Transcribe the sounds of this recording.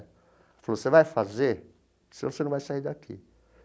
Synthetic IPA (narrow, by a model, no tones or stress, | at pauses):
falosevajfazeɾ | sinɐ̃senɐ̃vajsaiɾd̪akʰḭ